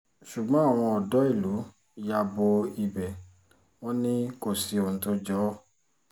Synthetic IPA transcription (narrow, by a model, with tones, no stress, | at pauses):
ʃu˨ɡ͡bɔ̃˨˦a˦˨w̃ɔ̃˧ɔ˨dɔ˨˦i˦˨lu˨˦ | ja˦˧bo˧i˨bɛ˨ | w̃ɔ̃˦nĩ˦ko˦˨si˨õ˨˦to˦d͡ʒɔ˦